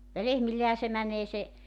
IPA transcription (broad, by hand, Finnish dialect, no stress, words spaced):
jɑ lehmilːehæ se mænˑeː se